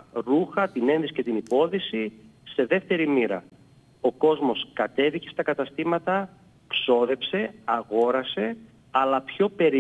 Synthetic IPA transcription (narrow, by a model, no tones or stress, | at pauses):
ɾuxɐt̪ine̞nðisi̥cet̪inipo̞ðisise̞ðe̞ft̪e̞ɾimiɾɐ̰ | o̞ko̞zmo̞skɐt̪e̞ðice̞st̪ɐkɐt̪ɐst̪imɐt̪ɐ | kso̞ðe̞pse̞ɐɣo̞ɾɐse̞ | ɐlɐpço̞pe̞ɾi